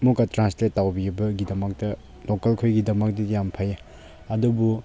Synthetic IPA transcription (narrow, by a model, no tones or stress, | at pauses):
mukːatɾansletːawbiubɐɡidɐmɐk̚tɐ | lokɐlkʰojɡidɐmɐk̚dijampʰɐj | ɐdubu